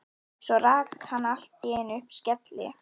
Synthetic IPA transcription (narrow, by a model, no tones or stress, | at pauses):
sɔraːkhanːal̥t̪ːjɛːɪnʏhpscɛt̪lɪ̰